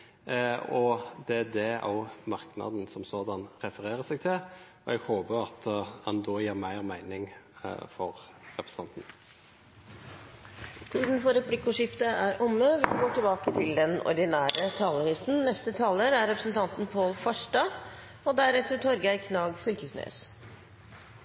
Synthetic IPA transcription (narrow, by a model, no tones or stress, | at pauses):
ɔd̪ɛæd̪ɛo̰ʊmɑʁknɑ̰d̪n̩sɔmsoːd̪ɑnɾɛfəɾeːɾəsɛɡ̚t̪ʰɪl | ɔɛɡhoːbəɾɑt̪hɑnd̪ɔːjeːʁmæɪʁmæɪnɪŋfɔɾɾɛpʰɾəs̩əɑnt̪n̩ | t̪ʰiːd̪n̩fɔɾɛpʰlɪkːʊʂɪft̪əʔæɾʔʊmːəʋɪɡoːʈɪlbɑːkət̪ʰɪld̪ɛnɔ̰ɾd̪ɪnæːɾət̪ʰɑːləɾisnnɛst̪ət̪ʰɑːləɾæɾɛpɾəsn̩t̪ʰɑnt̪n̩pʰoːlfɑʂɖɑː | ɔd̪æɾɛft̪ət̪ʰɔɾɡæɪkʰnɑːɡfʏlkəsnø̰ːs